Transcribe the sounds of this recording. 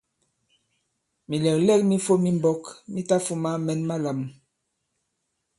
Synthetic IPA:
mi˨lɛ˨klɛ˦k̚mi˦fo˦mi˦mbɔ˦kmi˦ta˦fu˦ma˦mɛ˨nma˦la˨m

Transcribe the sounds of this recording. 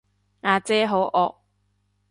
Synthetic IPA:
ŋaː˨˧t͡sɛː˥ɦo˨˥wʔɔː˧k̚

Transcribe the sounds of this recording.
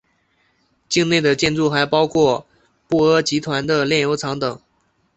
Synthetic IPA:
t͡ɕi˥˧ŋne˥˩ɪd̪ə˩t͡ɕjɛ˥˧nʈ͡ʂu˥˩xa˧˥ɪpɑ˥ʊkʰwɔ˥˩ | pu˥˩ə˧˥t͡ɕi˧˥t̪ʰwa˧˥nd̪ə˧ljɛ˥˩njo˧˥ʊʈ͡ʂʰɑ˧˥ŋt̪ɤ˨˩˦ŋ

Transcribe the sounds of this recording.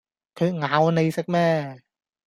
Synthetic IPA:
kʰɯ˧ŋa˨˧˦wna˧jsa˦˥k̚mɛː˥˩

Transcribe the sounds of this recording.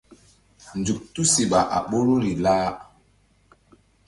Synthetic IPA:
n˨d͡zu˨k̚tu˦si˨ɓa˨ʔa̰˨ɓo˦lo˦ɾi˨laː˦

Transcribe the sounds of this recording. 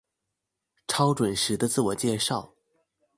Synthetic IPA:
ʈ͡ʂʰɑ˥ʊʈ͡ʂwə˨˩nʂɻ̩˧˥d̪ə˧t͡sɹ̩˥˩wɔ˨˩t͡ɕjɛ˥˧ʂɑ˥˩ʊ

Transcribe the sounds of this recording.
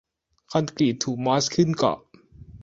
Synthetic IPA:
kʰa˧nkliː˨˩t̪ʰuː˨˩k̚ma˦˥skʰɯ˥˩nkɔ̰˨˩

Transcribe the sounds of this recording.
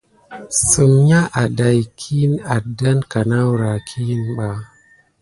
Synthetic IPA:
sɨ˨mɲa˦ʔa˨da˨jkʰi˦na˨da˦nka˨na˦wɾa˨kʰi˦nɓa˨

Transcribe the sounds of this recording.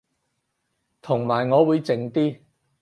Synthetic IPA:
t̪ʰʊ˨˩ŋmaː˨˩jŋɔː˨˧wuː˨˧jt͡sɪ˨ŋt̪iː˥

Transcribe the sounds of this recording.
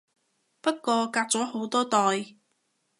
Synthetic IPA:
pɐ˥t̚kːɔː˧kaː˧k̚t͡sɔː˨˥ho˨˥wt̪ɔː˥t̪ɔː˨˧j

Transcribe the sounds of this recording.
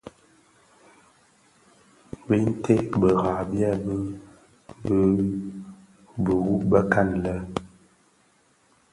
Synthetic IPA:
bə˦n˦tʰe˦ʔbə˨ɣa˨bja˦˨bə˦ | bə˦ | bə˨ɣu˦ʔbə˦ka˦˨nlə˦

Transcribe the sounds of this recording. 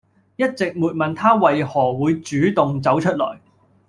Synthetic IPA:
jɐ˥t̚t͡sɪ˨k̚muː˨˩t̚mɐ˨nt̪ʰaː˥wɐ˨jhɔː˨˩wuː˨˧jt͡ʃyː˨˥t̪ʊ˨ŋt͡sɐ˨˥wt͡ʃʰɵ˥t̚lɔ̰ː˨˩j

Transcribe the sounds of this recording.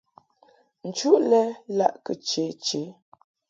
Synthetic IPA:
n̩˨t͡ʃu˦ʔlɛ˦la̰˦ʔkə˨t͡ʃe˨˦t͡ʃe˨˦

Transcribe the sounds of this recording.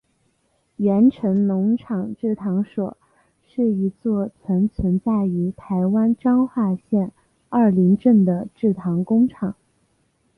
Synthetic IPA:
jɛ˧˥nʈ͡ʂʰə˧˥nnʊ˧˥ŋʈ͡ʂʰɑ˨˩ŋʈ͡ʂɻ̩˥˩t̪ʰɑ˧˥ŋʂwɔ˨˩˦ | ʂɻ̩˥˩i˧˥t͡swɔ˥˩t͡sʰwə˧˥nt͡sʰwə˧˥nt͡sa˥˩ɪy˧˥t̪ʰa˧˥ɪwa˥nʈ͡ʂɑ˥ŋxwa˥˧ɕjɛ˥˧n | ɐ˞˥˩li˧˥ŋʈ͡ʂə˥˩ŋd̪ə˩ʈ͡ʂɻ̩˥˩t̪ʰɑ˧˥ŋkʊ˥ŋʈ͡ʂʰɑ˨˩˦ŋ

